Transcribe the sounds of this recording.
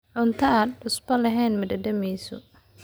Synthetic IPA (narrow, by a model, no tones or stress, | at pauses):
ʕʊnt̪ʰɐaːd̪ʕʊsbɐlɐɦɛjnmɐd̪ɐd̪ɐmɛjsɔ̰